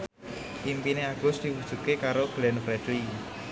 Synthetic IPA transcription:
impineaɡ̥ʊ̤sd̪̥iwud̥ʒ̥ṳt̪̚kekaɾoɡ̥lɛnfɾɛd̪̥li

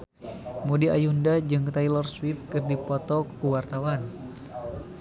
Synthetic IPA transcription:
mudiajundad͡ʒɨŋt̪ajlɔrswifkɨrdipɔt̪ɔkuwart̪awan

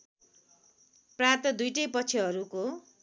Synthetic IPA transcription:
prat̪ʌd̪ujʈʌjpʌt͡sʰiɦʌɾuko

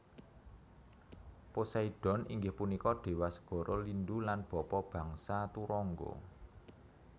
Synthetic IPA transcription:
posaiɖ̥ɔ̤nḭŋɡɪhpunikɔɖ̪̥e̤wasə̥ɡ̥ɔ̤ɾɔlindulanb̥ɔ̤pɔb̥ä̤ŋsat̪uɾɔŋɡɔ̰

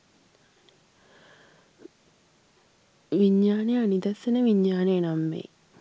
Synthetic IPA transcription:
ʋiɲːaːnejanid̪ɐsːenəʋiɲːaːnejənamːḛː

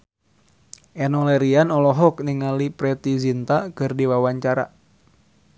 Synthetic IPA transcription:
ʔɛnɔlɛɾianɔlɔɦɔk̚niŋalipɾɛt̪izint̪akɨrdiwawaɲt͡ʃaɾa̰

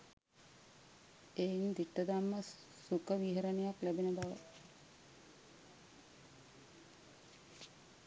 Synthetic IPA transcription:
eːind̪iʈːəd̪amːə | sukəʋiɦəɾənejaklæbenəbaʋə̰

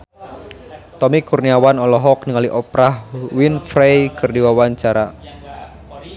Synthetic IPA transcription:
t̪ɔmikurniawanɔlɔɦɔk̚niŋaliʔɔpɾahwinfɾejkɨrdiwawaɲt͡ʃaɾa

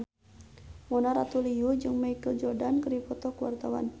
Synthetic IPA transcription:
mɔnaɾat̪uliud͡ʒɨŋmaikəld͡ʒɔrdankəripɔt̪ɔkəwa̰rt̪awa̰n

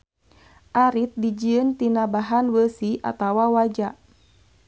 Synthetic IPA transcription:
ʔaɾit̪̚did͡ʒiənt̪inabaɦanwəsiʔa̰t̪awawad͡ʒa

